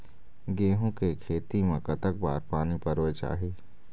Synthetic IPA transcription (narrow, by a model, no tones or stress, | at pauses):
ɡeːɦõkekʰeːt̪imẽkət̪ək̚ba̰ːɾpaːnipəɾoet͡ʃa̰ːɦeː